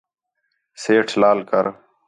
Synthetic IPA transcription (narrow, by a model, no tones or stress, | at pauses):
seːʈʰlaːlkə̰ɾ